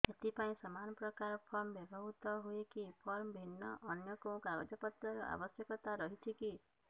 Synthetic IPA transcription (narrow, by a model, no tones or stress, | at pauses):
et̪ipaĩsɔmanɔpɾɔkaɾɔpʰɔɾmbɔbʱɔɦut̪ɔɦoekipʰɔɾmbʱinːɔʔɔnjɔkoũkabɔd͡ʒɔpɔt̪ɾɔɾɔʔa̰bɔsjɔkɔt̪aɾɔɦit̪ʰiki